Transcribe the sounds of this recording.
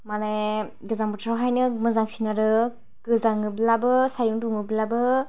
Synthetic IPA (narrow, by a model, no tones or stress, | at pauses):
maneɡɐzaŋbɔtʰɾawɦajnɯmɯzaŋsinaɾɯ | ɡ̥ɯzaŋɯbilabɯsajuŋduŋɯbilabɯ